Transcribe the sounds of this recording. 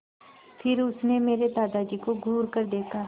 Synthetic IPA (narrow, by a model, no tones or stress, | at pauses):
pʰɪɾʊsnemeːɾed̪aːd̪ad͡ʒiːkoɡʱuːɾkəɾd̪eːkʰaː